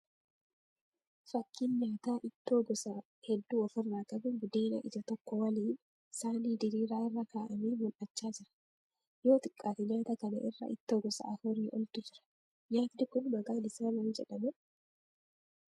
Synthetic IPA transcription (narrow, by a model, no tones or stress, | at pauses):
fɐkʰːiːnɲaːt̪aːʔɪt̪ːoːɡɔsɐ | hɛd̪ːuːɔfɪrnaːkʼɐbʊɡʊd̪eːnɐ̰ʔɪ̰d͡ʒɐt̪ɔkːɔwɐliːn | saːniːd̪ɪɾiːɾaːɪrːɐkaːʔɐmiːmʊlʔɐt͡ʃːaːd͡ʒɪɾɐ̥ | jo̞ːt̪ɪkʼːaːt̪ɪɲaːt̪ɐkɐnɐ̰ʔɪrːɐ̰ʔɪ̰t̪ːoːɡɔsɐ̰ʔɐfʊɾiːʔɔ̰lt̪ʊd͡ʒɪɾɐ̥ | jaːt̪d̪ɪkʊnbɐɡaːlɪsaːnɐnd͡ʒɛᶑɐmʊ